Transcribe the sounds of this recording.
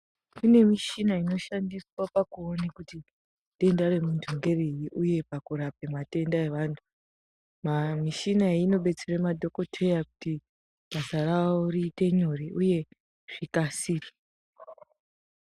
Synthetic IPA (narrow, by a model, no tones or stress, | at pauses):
kune̞miʃinaino̞ʃandiswapakuonekuti | te̞ndare̞mundʱoŋɡe̞rejiʔuje̞pakuɾape̞mate̞ndae̞ʋaːntʰu | mamiʃinaino̞ɓe̞t͡seremadʱo̞ko̞tʰejaku̥ti | b̥ʱasaraurite̞ɲoriʔuje̞ | ʐ̥ikasiːte̥